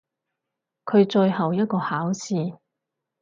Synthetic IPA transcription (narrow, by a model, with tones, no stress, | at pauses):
kʰɵ˨˧ɥt͡ʃɵ˧jhɐ˨wjɐ˥t̚kɔː˧haː˨˥wsiː˧